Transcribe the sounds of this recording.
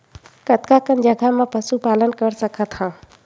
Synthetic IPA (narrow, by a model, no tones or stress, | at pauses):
kət̪kakənd͡ʒəɡʱamãpəsupaːlənkəɾsəkʰət̪hã